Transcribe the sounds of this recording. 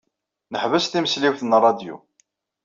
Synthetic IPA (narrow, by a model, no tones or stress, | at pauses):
nəħvəsθiməsliwθnrˤːɑd̪jṵ